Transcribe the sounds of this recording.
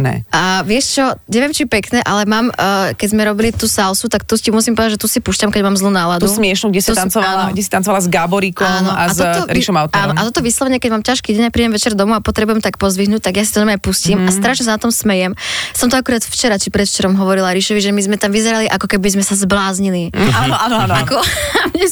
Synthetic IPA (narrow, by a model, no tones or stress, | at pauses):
nɛ̰aʋɪɛʃt͡ʃɔɲɛʋɛmt͡ʃipɛknɛʔalɛmaːmkɛɟzmɛɾɔbilit̪uːsalsut̪akt̪uscimusimpɔʋɛd̪aʒɛt̪usipuʃcamkɛɟmaːmzluːnaːlad̪usmɪɛʃnuɡɟɛsit̪ant͡sɔaːlaɡɟɛsi̥t̪ant͡sɔʋalazɡabɔɾikɔamnɔaatzɔɔɾiʃɔmawt̪aːnnɔʔat̪ɔt̪ɔʋislˠɔʋɛɲɪɛkɛɟmaːmcaʃkiɟɛɲapɾiːɟɛmʋɛt͡ʃɛɾd̪ɔmuapɔt̪ɾɛbujɛmt̪akpɔzʋiɦnuːc̚t̪aɡjasit̪ɔɲɔmajpusciːmast̪ɾaʃɲɛs̬anat̪ɔmsmɛjɛmsɔmt̪ɔakuɾaːt̪ft͡ʃɛɾat͡ʃipɾɛt̪ft͡ʃɛɾɔmɦɔʋɔɾilaɾiʃɔʋiʒɛmizmɛt̪amʋizɛɾaliʔakɔkɛbizmɛsazblaːzɲilianɔananakɔmɲɛ